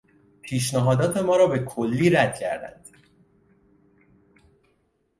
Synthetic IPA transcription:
pʰiːʃ̬næɦɒːd̪ɒːt̪ʰe̞mɒːɾɒːbe̞kʰolːiːɾæd̪̥̚cʰæ̰ɾd̪æ̰nd̪̥

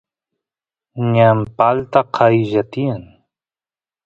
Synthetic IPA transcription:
ɲampalt̪aqʰajʒat̪iən

